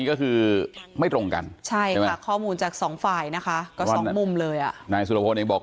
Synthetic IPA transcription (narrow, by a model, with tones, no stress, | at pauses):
i˦˥kɔː˥˩kʰɯː˧ma˥˩jt̪ɾo˧ŋka̰˧nt͡ɕʰa˥˩ja˥˩˨a˦˥˩kʰɔː˥˩muː˧nt͡ɕaː˨˩k̚sɔː˩˦ŋfaː˨˩jna˦˥kʰa˦˥kɔː˥˩a˧ɔ˨n˦mu˧mlɤː˧jʔa˨˩ʔnaː˧js̬u˨˩a˨˩poː˧nʔeː˧ŋbɔː˨˩